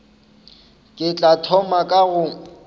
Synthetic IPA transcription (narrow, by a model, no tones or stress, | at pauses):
kʼɪt͡ɬʼatʰɔmakʼaɣʊ